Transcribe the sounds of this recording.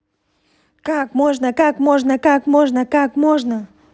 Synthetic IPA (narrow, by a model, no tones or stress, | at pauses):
kakmoʐnəkakmoʐnəkakmoʐnəkakmoʐnə